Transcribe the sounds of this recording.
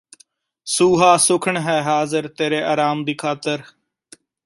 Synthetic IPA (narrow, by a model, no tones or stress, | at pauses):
suːɦaːsʊkʰəɳɦɛːɦaːzəɾt̪eːɾeːʔaːɾaːmd̪iːkʰaːt̪əɾ